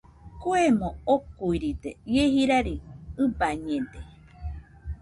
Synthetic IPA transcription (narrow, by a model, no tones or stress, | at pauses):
kuemõokuiɾit̪ejehiɾaɾiɨbaɲẽnd̪e